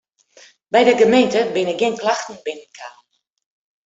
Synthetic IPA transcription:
bɛjdəɡəmejntəbɪnək̚ɡɪnklaxtn̩bɪnənkʰa

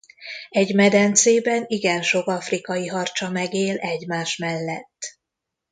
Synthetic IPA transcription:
ɛɟmɛd̪ɛnt̪seːbɛniɡɛnʃo̞kɒfrikɒjiɦɒrt͡ʃɒmɛɡeːlɛɟmaːʃmɛlːɛt̪ː

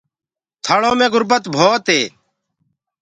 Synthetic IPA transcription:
t̪ʰaɭõːmẽːɡʊɾbət̪bʱoːt̪ɦeː

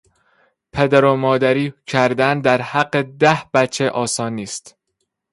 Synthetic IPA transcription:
pʰe̞d̪æɾomɒːd̪æɾiːcʰæɾd̪ænd̪æɾhæɡːed̪æhb̥æt͡ʃʰːe̞ʔɒːsɒːniːst̪

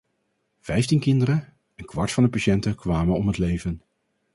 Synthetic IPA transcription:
v̥ɛjftinkɪndəɾə | ənkʋɑɹtfɑndəpaʃɛntəkʋaːmənɔmɦətlejvən

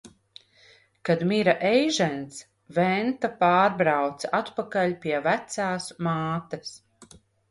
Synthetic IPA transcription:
kad̪miɾaʔɛjʒɛns | vɛnt̪apaːɾbɾawt̪sat̪pakalʲpʲiɛvæt̪saːsmaːt̪ɐs

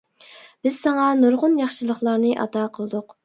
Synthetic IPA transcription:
b̥ɪz̥sɑŋɑnoɾʁʊnjɑχʃɨlˠəχlˠɑɾnɨʔɑ̰t̪ɑːqʰəlˠɨd̪ʊq

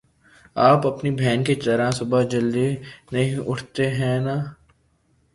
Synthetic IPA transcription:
aːpɐpnibʱɛːnket͡ʃɐɾãsʊbad͡ʒɐld̪inɐɦĩʔʊʈʰt̪eɦɛ̃naː

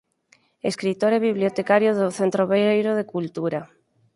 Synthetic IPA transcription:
eskɾit̪oɾɛβiβ̞ljot̪ekaɾjoðoθent̪ɾoβejɾoðekult̪uɾa

